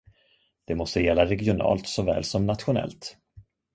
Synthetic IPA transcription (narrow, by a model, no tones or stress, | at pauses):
d̪̥ɛmɔst̪əjɛlːaɾɛɡɪʊnɑ̰ːlt̪sɔvɛ̰ːlsɔmnat̪ɧʊnɛ̰lt̪